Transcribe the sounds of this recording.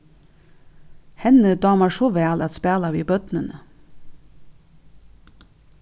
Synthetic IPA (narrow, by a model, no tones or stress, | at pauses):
hɛnəd̪ɑːmɑʃoːʋæːlɑt̪spæːlɑʋiːbœt̪nənə